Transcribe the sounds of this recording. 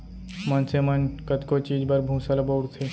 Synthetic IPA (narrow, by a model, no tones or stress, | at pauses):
mɐnsemɐnkət̪kot͡ʃiːd͡ʒbɐɾbʱũːsalaboːɽt̪ʰe